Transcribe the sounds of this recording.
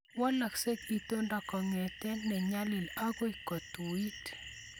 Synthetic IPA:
wɔ˦la˨kse˦ki˨t̪o˦nda˨kɔ˨ŋɛ˨tɛ˦nɛ˨ɲa˦lɪ˨la˦ɡo˦i˨kɔ˨t̪o˨i˦t

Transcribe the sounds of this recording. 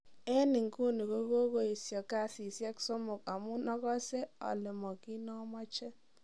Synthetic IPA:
ɛ˦nɪ˨ŋku˦ni˨ko˦ko˦ko˦i˨sjɔ˨ka˦si˨sjɛ˦kso˦mʊ˨ka˨mʊ˦nɔ˦kɔ˦se˦ɔ̰˨lɪ˨mɔ˨ki˦nɔ˦mɔ˦t͡ʃɛ˦

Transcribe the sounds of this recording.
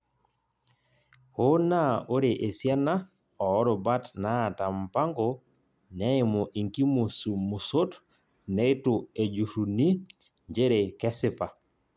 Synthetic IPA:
ho˦na˦o˦ɾe˨ʔe˨sja˦na˦ | ɔː˨˦ɾo˨ba˦tna˦˨ta˨mpa˦ŋɡo˨ | nɛ˦ɪ˦mo˨ʔi˨ŋki˦mo˨su˨mu˨so˦t | ne˦tʊ˨e˨d͡ʒu˨ɾu˨ni˦ | ɲd͡ʒe˦ɾe˨kɛ˦sɪ˦pa˨

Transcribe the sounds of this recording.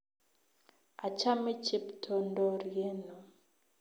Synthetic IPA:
a˨ca˦me˦ce˦ptʰo˨ndo˨ɾje˦no˨

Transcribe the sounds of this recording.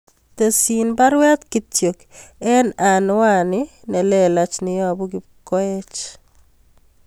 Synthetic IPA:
te˨sinba˦ɾwa˦t̪kɪ˨tjo˨kɛ˦na˨nwa˦nɪ˦ | nɛ˨lɛ˦la˦t͡ʃnɪ˨jɔ˦a˨bu˦ɡɪ˦ | kɔ˦ɛ˦t͡ʃ

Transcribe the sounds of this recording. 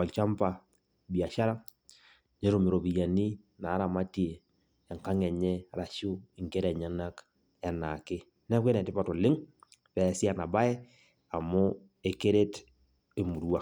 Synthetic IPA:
ɔ˨lt͡ʃa˦mpa˨ | bi˨a˨ʃa˦ɾa˦ | ɲe˦ɾo˦˨mɪ˨ɾo˨bi˨ja˨ni˦ | na˨˦ɾa˨ma˦ti˦eː˨ | ŋka˦ŋɛ˨ɲɛ˦˨ɾa˨ʃʊ˦i˨ŋke˦ɾɛ˨ɲa˦na˦k | ɛ˨na˨kɪ˦ | nɛ˦kwe˦nɛ˨tɪ˦pa˨to˨lɪ˦ŋ | pɛ˨si˦a˨na˨ba˦ɛ˦ | a˨mʊ˦ | e˨ke˦ɾe˦t | e˨mu˨ɾu˦a˦

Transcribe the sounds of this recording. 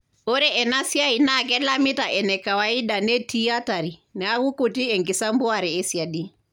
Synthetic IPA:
ɔ˦ɾɛɛ˨na˦si˦a˦ina˦kɛ˦la˦mi˦ta˨ʔɛ˨nɛ˨ka˨wai˦da˨nɛ˦ti˦a˦ta˨ɾi˨nɛ˨a˦ku˦ku˨ti˦ɛ˨ŋki˨sa˦mbɔ˦aɾɛː˨˦si˨a˨di˦

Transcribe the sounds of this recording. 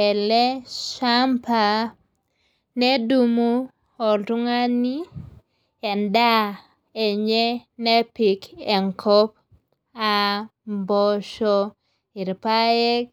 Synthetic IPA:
ɛ˨lɛ˦ʃa˦mpa˨ | ne˦du˦mu˦ | o˨tu˦ŋa˦ni˦ | ɛ˨nda˦ | e˨ɲɛ˦nɛ˦pi˨ke˨ŋkʰɔ˦p | a˨mbɔ˦ʃɔ˦ | i˨ɾpa˦jɛ˦k

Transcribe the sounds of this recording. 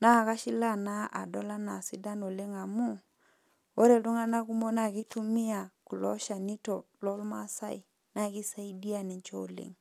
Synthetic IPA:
na˦˨ka˦ʃi˦la˦na˦ʔa̰˨dɔ˦la˦na˨si˦da˦no˨le˦ŋa˨mu˦ | o˦ɾe˨du˦ŋa˦na˦ku˦mo˦na˨ki˦tu˦mi˦a˨ku˨lɔ̰˦ʃa˨ni˦to˨ | lɔ˦lma˦sa̰˦˨i˨ | na˦˨ki˦sa˦i˦di˦a˨ni˨ɲt͡ʃɔ˦˨lḛ˨ŋ

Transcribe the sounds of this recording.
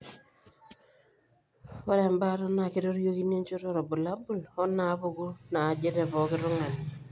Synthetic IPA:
wa˦ɾe˨mba˦ɾɔ˦na˨ki˦ɾo˦ɾjo˦ki˦ne˦nt͡ʃo˦ɾo˦ɾo˨bu˨la˦bu˦˨lɔ˦na˨˦βo˦ɡu˦na˨d͡ʒe˦ɾe˨pɔ˨kɪ˦ɾʊ˦ŋa˨n

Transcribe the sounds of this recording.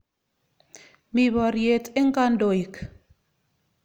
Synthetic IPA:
mi˨bɔ˨ɾje˨te˦ŋ˦ka˦ndo˨ji˨k

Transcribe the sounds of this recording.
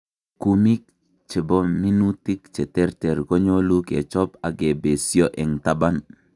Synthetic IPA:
ku˦mi˦k̚ | t͡ʃe˨bo˦mi˦nu˦ti˦kt͡ʃɛ˨tɛ˦ɾtɛ˨ɾɡo˦ɲo˦lu˦kḛ˨t͡ʃɔ˦pa˨ɡe˨be˨si˦o˦ʔɛ˨ŋta˦ba˦n

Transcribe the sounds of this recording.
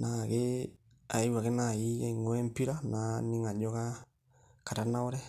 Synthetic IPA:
na˨ɣe | a˨i˦wa˨ɣe˦na˦˨i˦ɣe˦i˨ŋo˦ɛ˦mpi˦ɾa˦na˨ni˦ŋa˨ɲo˦ɣa˦ | ka˨ɾa˦na˦o˦ɾɛ˦

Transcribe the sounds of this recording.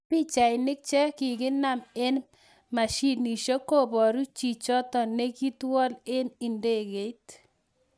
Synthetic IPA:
pɪ˦t͡ʃa˨ɪ˨nɪ˦k̚t͡ʃɛ˦kɪ˨kɪ˦na˦me˦n | ma˨ʃi˦˨tni˨ʃo˦ko˦˨bɔ˨ɾu˦t͡ʃi˨t͡ʃɔ˦tɔ˨ne˦ki˦twɔ˦le˦nɪ˨nde˦˨ɡe˨˦t

